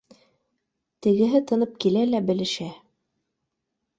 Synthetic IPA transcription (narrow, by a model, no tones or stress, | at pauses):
t̪ɘ̆ɡɘ̆ɦɘt̪ɤ̆nɤp̚kilælæbɘ̆lɘ̆ʃæ